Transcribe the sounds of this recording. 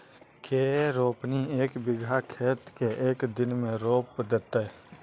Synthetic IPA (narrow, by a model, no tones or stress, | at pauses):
keːɾoːpnieːkbɪɡʱakʰeːt̪keʔeːkd̪ɪnmẽɾoːpd̪et̪e